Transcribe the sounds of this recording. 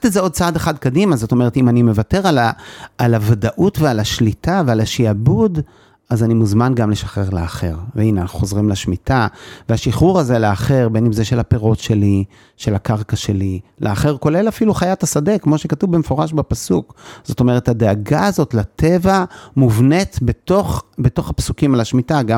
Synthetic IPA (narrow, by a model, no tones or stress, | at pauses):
tezeo̞d̪̚t͡saadeχadkadimazo̞t̪o̞meet̪imanime̞vate̞ʁalaːlavadaʔutvealaʃlitavealaʃiabud | azanimuzmanɡamle̞ʃḁχeʁleaχe̞ʁveineanaχu̥χozʁimleʃmitaveaʃiχuʁaze̞leaχe̞ʁbenimzeʃe̞lape̞ʁo̞tʃe̞li | ʃelakaʁkaʃe̞lilʔeaχe̞ʁko̞le̞lafiluχajatasade̞kmo̞ʃekatuvbemefo̞ʁaʃbapasukz̥o̞to̞me̞ʁ̞e̞thadeaɡaːzo̞tlate̞vamuvne̞t̪betoχbeto̞χhapsukimalaʃmitaɡa